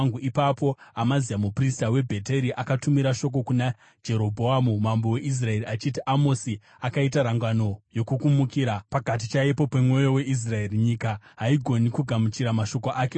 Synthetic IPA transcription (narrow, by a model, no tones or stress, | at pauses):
ŋɡuipapo̞amaziamupristawe̞bʱe̞te̞ɾiʔakatumiɾaʃo̞k̬o̞kuna | d͡ʒe̞ɾo̞bʱoamumambo̞we̞ʔis̬rae̞ɾiat͡ʃitiʔamo̞si | akait̬aɾaŋɡano̞jo̞kukumukiːɾapakat̬it͡ʃajepo̞pe̞mŋo̞jo̞we̞ʔis̬rae̞riɲiːkaɦaiɡʱo̞nikuɡʱamut͡ʃiɾamaʃo̞ko̞ʔake